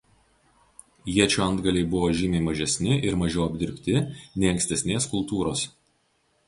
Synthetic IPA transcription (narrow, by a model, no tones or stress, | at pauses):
jiɛt͡ʃʲuːɐnd̪ɡɐlʲɛɪbʊʋoːʒʲɪmʲeɪmɐʒʲɛsʲnʲɪʔɪɾmɐʒʲɛʊɐbʲd̪ʲɪɾʲpʲt̪ʲɪnʲɛɪɐ̃ŋksʲt̪ʲɛsʲnʲeːskʊlˠt̪uːɾoːs